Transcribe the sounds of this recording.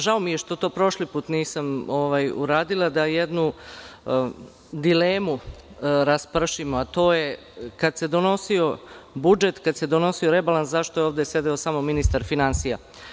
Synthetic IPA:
ʒaomijeʃt̪o̞t̪o̞ːpɾo̞ʃlipuːt̪niːsamoʋajṵɾaːd̪ilˠad̪ajed̪nu | d̪ileːmuɾaspr̩ʃimoat̪o̞ːje | kad̪se̞d̪o̞no̞sio̞bud͡ʒe̞t̪kad̪se̞d̪o̞no̞sio̞ɾe̞balanszaʃt̪oeoʋd̪esje̞d̪eo̞saːmo̞minist̪aɾfinansija

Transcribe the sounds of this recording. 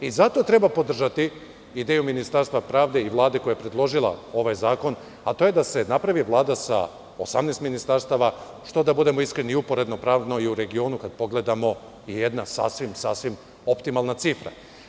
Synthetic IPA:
izat̪o̞t̪ɾe̞bapo̞d̪r̩ʒat̪i | id̪eːjuminist̪aɾst̪ʋapɾaːʋd̪e̞iʋlˠaːd̪eko̞jajepɾe̞d̪lˠo̞ʒilˠa̰o̞ʋajzaːko̞n | at̪o̞ːje̞d̪ase̞napɾaʋiʋlˠaːd̪asa̰ | o̞̰samneːst̪minist̪aɾst̪aʋa | ʃt̪o̞d̪abud̪e̞mo̞iskɾe̞niupo̞ɾe̞d̪no̞pɾaːʋd̪noiuɾe̞ɡio̞ːnukad̪̚po̞ɡle̞d̪amo̞ | ije̞d̪nasa̰sʋimsasʋim | o̞pt̪imalˠnat̪sifɾa̰

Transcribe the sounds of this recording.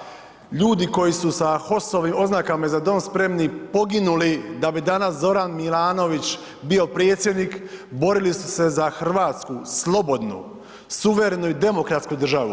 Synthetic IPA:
ʎuːd̪iko̞jisusaxo̞soʋimo̞znakamazad̪o̞ːmspɾe̞mnipo̞ɡinulid̪abid̪anaszo̞ɾanmilˠaːno̞ʋit͡ɕ | bio̞pɾe̞ːt̪sje̞d̪nikbo̞ɾilisu̥se̞zaxrʋaːt̪skuslˠo̞bo̞d̪nṵ | suʋe̞ɾe̞nuid̪e̞mo̞kɾat̪skud̪r̩ʒaʋṵ

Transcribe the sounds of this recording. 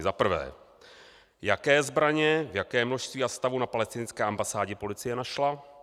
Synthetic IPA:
zapr̩vɛ̰ː | jakɛːzbɾaɲɛvjakɛːmno̞ʃst̪viːast̪avunapalɛst̪ɪnt͡skɛːʔambasaːɟɛpo̞lɪt͡sɪjɛnaʃla

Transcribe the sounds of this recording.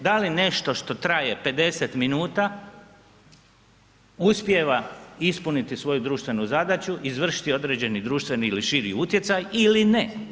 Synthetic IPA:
d̪aline̞ʃt̪o̞ʃt̪o̞t̪ɾajepe̞d̪e̞set̪minuːt̪a | uspje̞ʋaispunit̪isʋo̞jud̪ɾuːʃt̪ʋe̞nuzad̪at͡ɕuʔizʋr̩ʃi̥t̪io̞d̪ɾeːd͡ʑe̞nid̪ɾuːʃt̪ʋe̞niːliʃiɾiut̪je̞t̪sajiline

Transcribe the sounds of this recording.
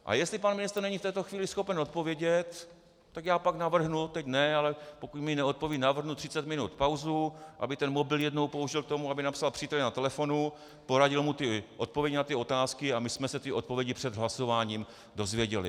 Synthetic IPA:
ʔa̰jɛst̪lɪpanmɪnɪst̪rnɛɲift̪ɛːt̪oxviːlɪsxo̞pɛno̞t̪̚po̞vjɛɟɛt̪ | t̪ːakjaːpaknavr̩ɦnut̪ɛcnɛalɛpo̞kucmɪnɛo̞t̪̚povjɛnavr̩ɦnut̪r̥ɪt͡sɛt̪mɪnut̪pawzuʔa̰bɪt̪ɛnmobɪljɛdno̞wpo̞uʒɪlk̚t̪o̞muabɪnapsalpr̥iːt̪ɛlɛnat̪ɛlɛfo̞nu | po̞ɾaɟɪlmut̪ɪʔo̞t̪̚povjɛɟnat̪ɪo̞t̪aːskɪamɪsmɛsɛt̪ɪʔot̪̚povjɛɟɪpr̝̥ɛd̪ɦlaso̞vaːɲiːm | do̞zvjɛɟɛlɪ̰

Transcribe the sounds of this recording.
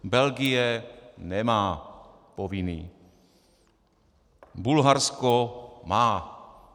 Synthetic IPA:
bɛlɡijɛnɛmaː | poviniː | bulɦaɾskomaː

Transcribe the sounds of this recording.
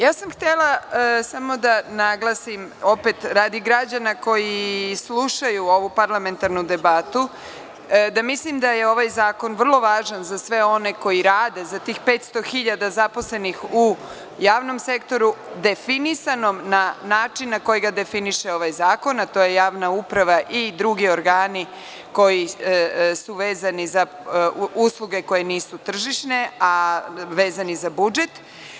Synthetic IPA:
jaːsamxt̪elˠasamo̞d̪anaɡlˠasimo̞pe̞t̪ɾaːd̪iɡɾad͡ʑanako̞jislˠuʃajuo̞ʋupaɾlˠame̞nt̪aɾnud̪e̞bat̪u | d̪amislimd̪aje̞o̞ʋajzaːko̞nʋr̩lˠo̞ʋaːʒanzasʋe̞o̞ne̞ko̞jiɾaːd̪e̞zat̪iːxpeːt̪st̪o̞xiʎad̪azapo̞sle̞nixu | jaːʋno̞mse̞kt̪o̞ɾud̪e̞finisano̞mnanaːt͡ʃinːako̞jiɡad̪e̞finiʃeo̞ʋajzaːko̞nat̪o̞je̞jaːʋnaupɾaʋaʔid̪ɾuɡio̞ɾɡaːni | ko̞ji | suʋe̞ːzaniza | uːslˠuɡe̞ko̞je̞niːsut̪r̩ʒiʃne̞aʋe̞ːzanizabud͡ʒe̞t̪

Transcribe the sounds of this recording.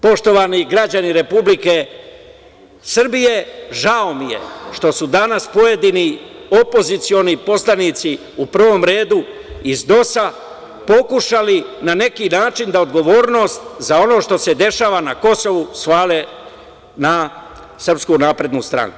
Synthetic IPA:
po̞ʃt̪o̞ʋaniɡɾad͡ʑaniɾe̞publike̞ | sr̩bije̞ʒaomije̞̰ʃt̪o̞sud̪anaspo̞je̞d̪inio̞po̞zit̪sio̞nipo̞slˠanit̪si | upr̩ʋo̞mɾe̞ːd̪u | izd̪o̞sa | po̞kuʃalinane̞kinaːt͡ʃind̪aod̪ɡo̞ʋo̞ːɾno̞ːst̪zao̞no̞ʃt̪o̞se̞d̪e̞ʃaːʋanako̞so̞ʋusʋaːle | na | sr̩pskunaːpɾe̞d̪nust̪ɾa̰ŋku

